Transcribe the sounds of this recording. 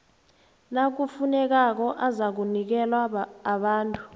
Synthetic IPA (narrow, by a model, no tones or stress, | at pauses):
nak̬ufunɛk̬ak̬ɔʔazak̬unik̬ɛlwaːɓaːntʼu̥